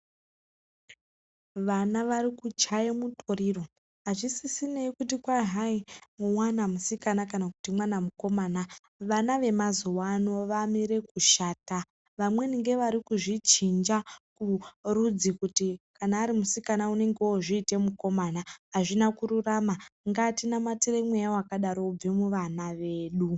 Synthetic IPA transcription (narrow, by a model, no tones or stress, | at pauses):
ʋanaʋaɾikut͡ʃajemutʰo̞ɾiro̞ | ɦaʐisisine̞ikutikwaɦaimuwanamusikanakanaku̥timwanamuko̞maːna | ʋanaʋe̞mazowano̞ʋamiɾe̞kuʃaːta | ʋamwe̞niŋɡe̞ʋaɾikuʐit͡ʃind͡ʒakurud͡zikutikanaːɾimusikanaune̞ŋɡeoʐiːte̞muko̞manaɦaʐinakuɾuramaŋɡatinamatiremwejaoakaɗaɾo̞ub͡vemuʋanaʋe̞ːɗu